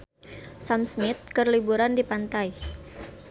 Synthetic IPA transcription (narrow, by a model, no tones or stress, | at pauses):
samsmɪt̪̚kərlibuɾandipant̪aj